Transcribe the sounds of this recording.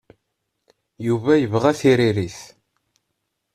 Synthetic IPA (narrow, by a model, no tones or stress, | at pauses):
juvæjəvʁæθiɾiɾiθ